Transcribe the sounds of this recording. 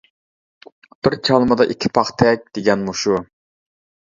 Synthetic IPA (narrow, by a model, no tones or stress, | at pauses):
b̪ɪɾt͡ʃʰɑlˠməd̪ɑʔikʲʰi̥pʰɑχt̪ʰɛk̚ʲd̪̥eɡʲɛnmuʃu